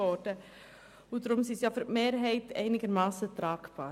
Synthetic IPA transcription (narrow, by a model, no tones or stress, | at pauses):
ɔd̥ə | udɾʊmsisjɑfyɾtmeːɾɦɛɪtʰɛ̰ɪnɪɡəɾmɑːsətrɑːkb̥ɑ̰ː